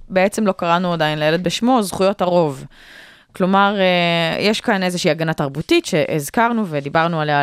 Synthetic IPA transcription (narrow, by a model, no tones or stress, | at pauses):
beet͡semlo̞kaʁanuadajinlejeled̪̚beʃmozχujo̞taʁo̞v | klo̞maʁejɛʃkanezeʃiːaɡanat̪aʁbutitʃe̞ʔezkaʁnuved̪ibaʁnualea